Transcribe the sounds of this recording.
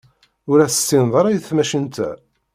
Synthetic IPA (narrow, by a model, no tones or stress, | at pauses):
ʊɾæsə̥sːinðˤɑɾˤæjθθmæʃənt̪æ̰